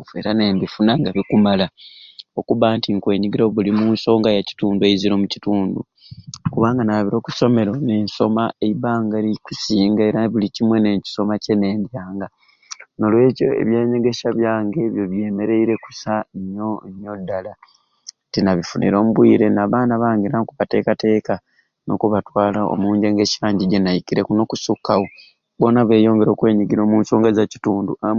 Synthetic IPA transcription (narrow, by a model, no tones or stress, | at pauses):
e̞ɾane̞ːnbifunaŋɡaβikumalao̞kuβantiŋkwe̞ːɲiɡiɾoβulimunso̞ːŋɡajaci̥tuːnduejiziɾo̞muci̥tuːndṵ | kuβaːŋɡanaβiɾo̞ːkuso̞me̞ɾo̞ne̞nso̞maeiβaːŋɡaikusiːŋɡae̞ɾaβilicimwe̞ne̞ci̥so̞mace̞ne̞ːndjaːŋɡa | no̞lwe̞ːco̞̰e̞̰βje̞ːɲe̞ɡe̞ʃaβjaːŋɡe̞βjo̞βje̞ːme̞ɾe̞iɾe̞ku̥saɲo̞ɲːodːala | tinaβifunḭɾo̞ːmuβwiːɾe̞naːβaːnaβaːŋɡiɾaŋkuβate̞ːkate̞ːka | no̞̰kuβatwaːlao̰muːɲɟe̞ŋɡe̞ʃaːɲɟiɟenajikiɾekuno̞kusukːawo | bo̞naβe̞ːjo̞ːŋɡe̞ɾo̞ːkwe̞ːɲiɡiɾo̞ːmuːnso̞ːŋɡazacituːndṵa